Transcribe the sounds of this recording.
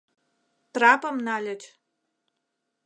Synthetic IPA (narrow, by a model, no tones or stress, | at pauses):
traːpʼɐmnaːlʲɐt͡ʃʼ